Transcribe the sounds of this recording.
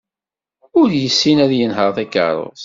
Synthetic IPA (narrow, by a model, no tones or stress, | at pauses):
ʊɾjəsːinæðjənɦəɾˤθækːə̰ɾˤo̰ðˤ